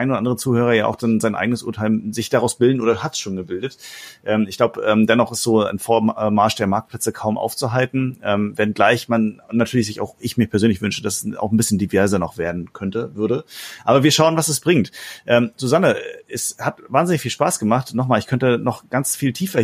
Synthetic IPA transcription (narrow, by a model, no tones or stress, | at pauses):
aɪnodɐʔandəʁət͡suːhøːʁ̞ɐjaːʔa̰ʊxd̥anzaɪnʔa̰ɪɡənəsʔʊ̰ɐtʰaɪlzɪçd̥aʁaʊsb̥ɪldn̩oːɾɐhatʃoːnɡəbɪldətʔɛːmɪçɡ̥laʊbəʔɛːmdɛnɔχɪstz̥oːa̰ɪnfoːɐmaɐʃd̥eːɐmaɐk̚plɛt͡səkʰaʊmʔa̰ʊft͡suɦaltn̩ʔɛːmvɛnɡlaɪçmanʊnnatʰyːɐlɪçz̥ɪça̰ʊxʔɪçmiːɐpʰɛɐzøːnlɪçvʏnʃəd̥asa̰ʊxn̩bɪsçəndivɛɐzɐnɔχv̥eːɐdn̩kʰœntəvʏɐɾəʔaːbɐviːɐʃaʊənvasɛsb̥ʁɪŋtʔɛːmz̥uzanəɛɛshatvaːnzɪnɪçfiːlʃpaːsɡ̥əmaχtnɔχmaːlɪçkʰœntənɔχɡ̥ant͡sfiːltʰiːfɐ